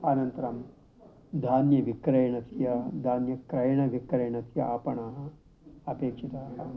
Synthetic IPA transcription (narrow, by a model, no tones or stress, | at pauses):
ɐnɐnt̪ɐɾɐm | d̪ʱaːnjɐʋikɾɐjɳɐt̪jɐd̪ʱaːnjɐkɾɐjɳɐʋikɾɐjɳɐt̪jɐaːpɐɳaːɦɐ | ɐpeːkʂit̪aɦɐ